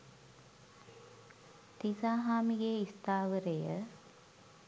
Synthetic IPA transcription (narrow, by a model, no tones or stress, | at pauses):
t̪isaːɦaːmiɡeːist̪aːʋəɾejə